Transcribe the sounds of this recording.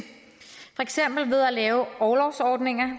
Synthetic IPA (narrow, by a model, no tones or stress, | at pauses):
fɒ̽eɡ̥sem̰b̥l̩ʋe̝ðˠælɛːʊɒːlɒʊsɒːd̥ne̝ŋɐ